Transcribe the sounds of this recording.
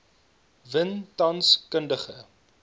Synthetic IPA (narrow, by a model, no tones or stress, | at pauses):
vəntɐnskəndəχə